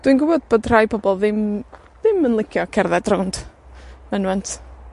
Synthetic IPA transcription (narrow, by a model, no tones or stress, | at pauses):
d̥winɡʊɪbɔd̚b̥oːdr̥ajbɔbɔlˠðɪm | ðɪmənlˠɪkʰjɔkʰɛrðɛdrɔnd̥mɛnwɛntʰ